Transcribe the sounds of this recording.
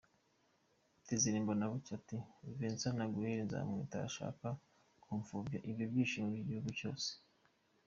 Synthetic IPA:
tiziɾiːmbonaβucativiːnt͡sanaɡuheɾinza̰ːmŋḭːta̰ʃa̰ːka | kuɱfuvjaʔiβjovjiːʃimuɾiɟihuɡuco̞̰ːse̥

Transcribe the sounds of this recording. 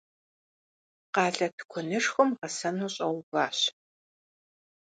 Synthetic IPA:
qɑːɮɐtʰɨ̥kʷʰɔnɨʂxʷʊmʁɐsɐnuːɕʼɐwbaːɕ

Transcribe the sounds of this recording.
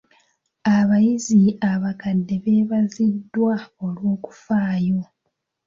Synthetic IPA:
aβajiziaβakadːe̞βe̞ːβazidːwaolwo̞ːku̥faːjo̞

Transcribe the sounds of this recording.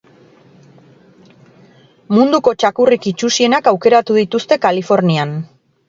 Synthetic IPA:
mund̪uko̞t͡ʃakurikit͡ʃusie̞nakawke̞ɾat̪uðit̪ust̪e̞kalifo̞ɾnian

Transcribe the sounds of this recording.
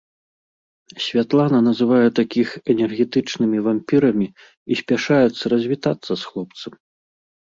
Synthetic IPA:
sʲvʲat̪lˠanɐn̪ɐzɨvajɛt̪akʲixɛnʲɛrɣʲɛt̪ɨt͡ʂnɨmʲivampʲiɾɐmʲi | isʲpʲaʂajɛt̪sːɐɾɐzʲvʲit̪at̪sːɐsxlˠɔpt̪sɐm

